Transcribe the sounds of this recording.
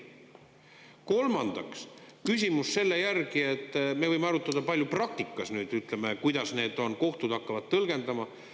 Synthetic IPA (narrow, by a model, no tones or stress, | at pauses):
ko̞lmɑnd̪̥ɑkskysʲimusːe̞lːe̞jærɡie̞t̪ːˑme̞vɤjmeɑɾut̪ːˑɑd̪̥ɑpɑlʲjuprɑk̚t̪ikːˑɑsnyːd̪̥yt̪ˑle̞mekujd̪̥ɑsne̞ːd̪̥o̞nko̞ht̪ud̪ɑkːɑvɑd̪̥t̪ɤlɡ̥e̞nd̪ɑmɑ